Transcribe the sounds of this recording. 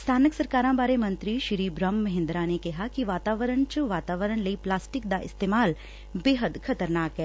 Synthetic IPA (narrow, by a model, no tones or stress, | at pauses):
st̪ʰaːnəksɐɾkaːɾãbʱaːɾemɐ̃nt̪ɾiʃɪɾiːbɾəmːɐɦɪ̃nd̪ɾanekeɦakiʋaːt̪aːʋəɾəɳ̃t͡ʃəʋaːt̪aːʋəɾəɳ̃lɐiplaːsʈɪk̚d̪aʔɪst̪eːmaːl | beːɦəd̪kʰɐt̪əɾnaːkɦɛː